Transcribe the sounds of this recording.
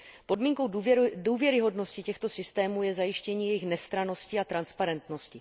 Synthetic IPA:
po̞dmiːŋko̞wduːvjɛɾɪɦo̞dnoscɪcɛxt̪o̞sɪst̪ɛːmuːjɛzajɪʃcɛɲiːjɛjɪxnɛst̪ɾano̞scɪat̪ɾanspaɾɛnt̪no̞scɪ

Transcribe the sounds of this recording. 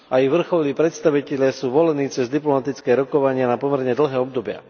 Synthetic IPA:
ʔajiʋr̩xɔliːpɾɛt̪st̪aʋicɛʎɪasuːʋɔlɛniːt͡sɛzd̪iplɔmat̪it͡skɛːɾɔkɔʋaɲɪanapɔmɛɾɲɛd̪l̩ɦɛːɔbd̪ɔbɪa̰

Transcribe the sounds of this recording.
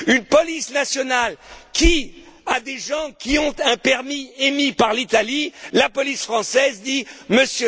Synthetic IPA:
ynpɔlisnasjɔnalkʲi | ad̪eʒɑ̃kʲiɔ̃t̪ɛ̃pɛʁmiemipaʁlit̪alilapɔlisfχɑ̃sɛzd̪iməsjø

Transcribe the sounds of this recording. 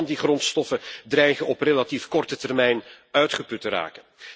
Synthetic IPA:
ndiχrɔntstɔfədrɛjχənɔprelatifkɔrtətɛrmɛjnœɥtχəpɵtəra̰ːkən

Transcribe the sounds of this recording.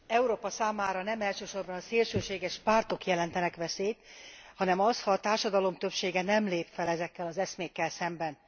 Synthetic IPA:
ɛuɾoːpɒsaːmaːɾɒnɛmɛlʃøːʃo̞rbɒnɒseːlʃøːʃeːɡɛʃpaːrt̪o̞kjɛlɛnt̪ɛnɛkʋɛseːt̪hɒnɛmɒshɒːt̪aːrʃɒd̪ɒlo̞mt̪øpʃeːɡɛnɛmleːpfɛlɛzɛkːɛlɒzɛsmeːkːɛlsɛmbɛn

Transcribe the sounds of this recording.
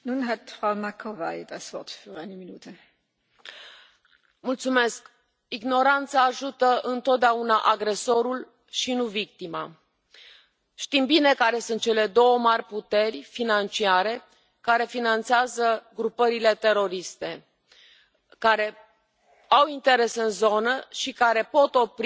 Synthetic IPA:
nunɦat̪fʁaʊmakʰovajd̪asv̥ɔɐt̪fyːʁaɪnəminuːtʰə | mult̪sume̞sk | iɡno̞ɾant̪saːʒut̪əʔɨnt̪o̞t̪̚d̪eaunaʔaɡɾe̞so̞ɾul | ʃinuvik̚t̪ima̰ | ʃt̪imbine̞kaɾe̞sunt̪̚t͡ʃe̞le̞d̪o̞wəmarʲput̪e̞rʲfinant͡ʃiaɾe̞ | kaɾe̞finant̪seazəɡɾupəɾile̞t̪e̞ɾo̞ɾist̪e̞ | kaɾe̞ | awint̪e̞ɾe̞sɨnzo̞nəʃikaɾe̞po̞t̪o̞pɾ

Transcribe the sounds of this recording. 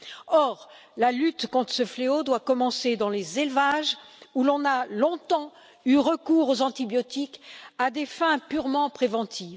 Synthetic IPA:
ɔʁ | lalyt̪kɔ̃t̪χə̥səfleod̪wakɔmɑ̃sed̪ɑ̃lezelvaʒulɔ̃nalɔ̃t̪ɑ̃ | yʁəkuʁozɑ̃t̪ibjɔt̪ikad̪efɛ̃pyʁmɑ̃pχevɑ̃t̪ʰiv

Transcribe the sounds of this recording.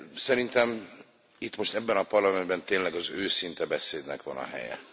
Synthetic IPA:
sɛɾint̪ɛm | it̪ːmo̞ʃt̪ɛbːɛnɒpɒrlɒmɛnd̪bɛnt̪eːnlɛɡɒzøːsint̪ɛbɛseːd̪nɛkʋɒ̰nɒ̰ɦɛ̰jɛ̰

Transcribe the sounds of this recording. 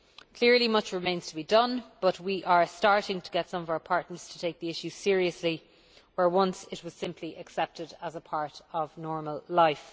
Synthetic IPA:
kʰl̥ɪɹlimʌt͡ʃɹɪmẽɪ̃nz̥tʰəbidʌ̃nb̥ʌt̚wiʔə˞staɹɾɪ̃ŋtʰəɡɛtsʌ̃mʌvaʊə˞pʰaɹtⁿnə˞z̥tʰə̥tʰeɪk̚ðiɪʃʉsɪəɹiəsli | wə˞wʌ̃nsɪt̚wɒz̥sɪ̃mpʰliʔəksɛp̚tɪdəzəpʰaɹɾəvnɔɹməlˠlaɪf

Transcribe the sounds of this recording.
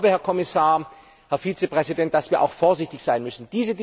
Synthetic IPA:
bəhɛɐkʰɔmɪsaːɐ | hɛɐfiːt͡səpʁ̥ɛzidɛnt̚d̥asv̥iːɐʔa̰ʊxfoːɐzɪçtɪçz̥aɪnmʏsn̩d̥iːzəd

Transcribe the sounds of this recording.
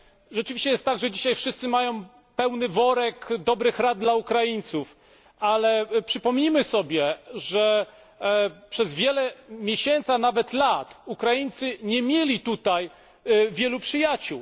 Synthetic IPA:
ʐɛt͡ʂɘvʲiɕt͡ɕɛjɛst̪t̪aɡʐɛd͡ʑiɕajfʂɘst̪sɘmajɔ̃w̃ | pɛwnɘvɔɾɛkd̪ɔbɾɘxɾad̪̚d̪laukɾajiɲʲt̪suf | alɛpʂɘpɔmʲɲimɘsɔbʲjɛʐɛ | pʂɛzvʲjɛlɛmʲjeɕɛnt̪sanavɛt̪lat̪ukɾajiɲʲt̪sɘɲɛmʲjelʲit̪ut̪aj | vʲjɛlupʂɘjat͡ɕuw

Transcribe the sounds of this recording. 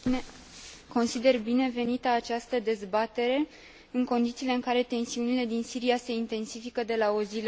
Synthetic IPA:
ko̞nsid̪e̞rbine̞ve̞nit̪əat͡ʃast̪əd̪e̞zbat̪e̞ɾe̞ | ɨŋko̞nd̪it̪siːle̞ɨŋkaɾe̞t̪e̞nsiunile̞d̪insiɾiase̞int̪e̞nsifikəd̪e̞lao̞zil

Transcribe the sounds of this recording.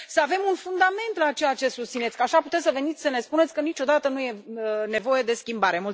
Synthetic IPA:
səave̞munfund̪ame̞nt̪lat͡ʃe̞jat͡ʃe̞sust̪sine̞t̪sʲkəaʃaput̪esəve̞nit̪sʲsəne̞spune̞t̪sʲkənit͡ʃo̞d̪at̪ənuje̞ne̞vo̞je̞d̪e̞skʲimbaɾe̞mult̪

